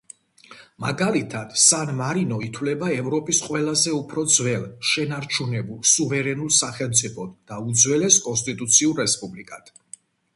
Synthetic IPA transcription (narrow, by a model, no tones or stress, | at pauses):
ma̰ɡalit̪ʰad̪̥sanmaɾinɔit̪ʰwlɛbaɛvɾɔpʼisqʼwɛlazɛupʰɾɔd̪zvɛlʃɛnaɾt͡ʃʰunɛbulˠsuvɛɾɛnulˠsaχɛlˠmt̪sʼipʰɔd̪d̪aud̪zwɛlɛskʼɔns̬t̪ʼit̪ʼut̪sʰiuɾːɛspʼublikʼat̪